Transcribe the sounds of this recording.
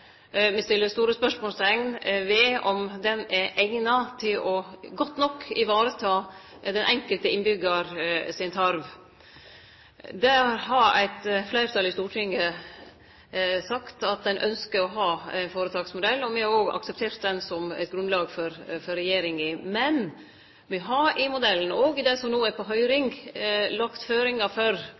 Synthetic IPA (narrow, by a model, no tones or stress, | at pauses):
mɪst̪ɪlːəɾst̪uːɾəspœʂmoːlst̪ɛŋnʋɪɔmd̪ɛnɛʔæɪnɑt̪ʰɪlɔɡɔt̪ːnɔkʰːɪʋɑːɾət̪ʰɑː | d̪ɛnʔɛŋkəlt̪əɪnbʏɡəɾsɪnt̪ʰɑɾʋ | d̪æɾɦɑɾæ̰ɪt̪flæɪɾt̪ʰɑlɪst̪uːʈʰɪŋːə | sɑkt̪ɑt̪̚d̪ɛnʔœ̰nskəɾɔɦɑːæɪnfoːɾət̪ʰɑːɡsmʊd̪ɛlːɔmɪhɑɾoːɡɑ̰ksɛp̚t̪ʰeːɾt̪̚d̪ɛnsɔmæ̰ɪt̪̚ɡɾʉnlɑːɡfɔɾfɔɾɛjeːɾɪŋɪmɛn | ʋɪɦɑɾɪmʊd̪ɛlːən̩oːɡd̪ɛsɔmnoːæpʰɔɦœʏɾɪŋɡlɑkt̪føːɾɪŋɑfɔɾ